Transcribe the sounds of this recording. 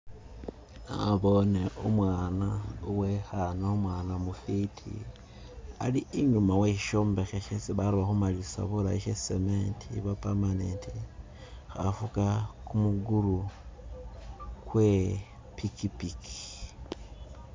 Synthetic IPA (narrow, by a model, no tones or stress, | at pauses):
a̰βo̞neʔumwaːnauwexanaomwaːnamufitʰḭ | a̰liːɲumaweʃiʃoːmbe̞xeʃesiβaɾuβaxumalisa̰βulaiʃesementʰḭβapamaneːnti | xa̰fukakumuɡuɾu | kwe | pikipikʰi̥